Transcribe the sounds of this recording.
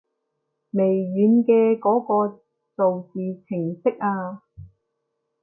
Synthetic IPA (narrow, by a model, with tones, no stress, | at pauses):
me˨˩jɥyː˨˧nkɛː˧kɔː˨˥kɔː˧ | t͡so˨wt͡siː˨t͡sʰɪ˨˩ŋsɪ˥k̚aː˧